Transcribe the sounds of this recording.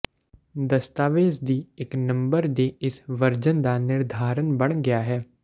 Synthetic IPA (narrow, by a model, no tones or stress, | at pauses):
d̪ɐst̪aːʋeːsd̪ieknɐ̃mbəɾd̪eɪsʋɐɾd͡ʒənd̪anɪɾd̪ʱaːɾənbɐɽ̃ɡɐjaɦɛː